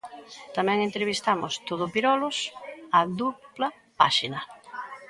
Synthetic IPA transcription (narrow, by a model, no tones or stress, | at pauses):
t̪amɛ̃ŋẽnt̪ɾeβist̪amʊst̪oðʊpiɾɔlʊsaðuplɐ | pa̰ʃinɐ